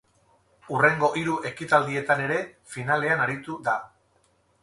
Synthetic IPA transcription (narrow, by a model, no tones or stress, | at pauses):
ureŋɡo̞ʔiɾuʔe̞kit̪ald̪ie̞t̪ane̞ɾe̞ | finale̞anaɾit̪uða